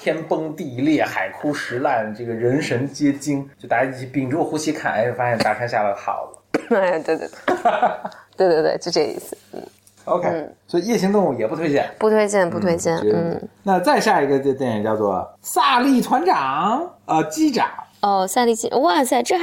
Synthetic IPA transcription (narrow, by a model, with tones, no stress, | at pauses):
t̪ʰjɛ˥npɤ˥ŋt̪i˥˧ljɛ˥˩xa˨˩ɪkʰu˥ʂɻ̩˧˥la˥˩nʈ͡ʂɤ˥˩ɡə˩ɻə˧˥nʂə˧˥nt͡ɕjɛ˥t͡ɕi˥ŋt͡ɕt͡ɕo˥˩t̪a˧˥˩i˥t͡ɕʰi˧˥˩pi˨˩ŋʈ͡ʂu˥˩xu˧˥ɕi˧˥kʰa̰˥˩na̰˧˥o˥˩fa˥ɕjɛ˥˧nt̪a˥˧˩ʂʰa˥nɕja˥˩la˧˥xɑ̰˨˩ʊlə˦a˥˩t̪we˥˧wḛ˥˧˩t̪t̪we˥˧t̪we˥˧twḛ˥˧t͡ɕo˥˧ʈ͡ʂɤ˥˩˧ḭ˥˩sɹ̩˩n̩̰˥˩ | o˧ʊkʰe˥ɪ˩swɔ˧˥i˧˥jɛ˥˩ɕi˥ŋt̪ʊ˥˧ŋu˥˩jɛ˨˩pu˥˩t̪ʰwe˥ɪt͡ɕjɛ˥˩npu˥˧t̪ʰwe˥ɪt͡ɕjɛ˥˧npu˥˧t̪ʰwe˥ɪt͡ɕjɛ˥˩n˧˥n̩˥˩na˥˧t͡sa˥˧ɪɕja˥˩i˧˥ɡə˧t̪t̪jɛ˥˩njt͡ɕjɑ˥˧ʊt͡swɔ̰˥˧sa˥˧li˥˩t̪ʰwa˧˥nʈ͡ʂɑ˨˩˦ŋə˧t͡ɕi˥˩ʈ͡ʂɑ̰˨˩˦ŋɔ˥˩sa˥˧li˥˩t͡ɕi˥˩˥wa˥˩sa˥˩ɪʈ͡ʂɻ̩˥˧